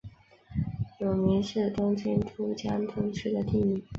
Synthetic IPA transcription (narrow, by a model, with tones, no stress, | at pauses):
jo˨˩ʊmi˧˥nʂ̩˥˩t̪ʊ˥ŋt͡ɕʰi˥nʈ͡ʂ̪ʰu˥t͡ɕjɑ˥nt̪ʰʊ˧˥ŋʂɻ̩˥˩d̪ə˨t̪i˥˩mi˨˩˦